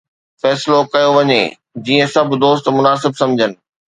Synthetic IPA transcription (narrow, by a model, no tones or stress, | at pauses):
fɛːsɪlokɐjoʋɐɲḛ | d͡ʑiːə̃sɐbʱʊ̆d̪oːst̪mʊnaːsɪbsɐ̃md͡ʑʱənɪ̆